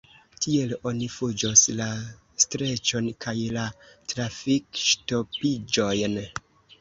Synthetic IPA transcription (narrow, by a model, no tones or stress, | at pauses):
tʰie̞lo̞nifud͡ʒosla | stɾe̞t͡ʃo̞nkʰajlatɾafikʃto̞pid͡ʒo̞jn